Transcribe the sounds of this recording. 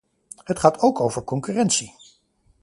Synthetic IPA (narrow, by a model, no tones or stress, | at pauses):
ɦətχaːtʰowkowvəɹkɔŋkyrɛntsi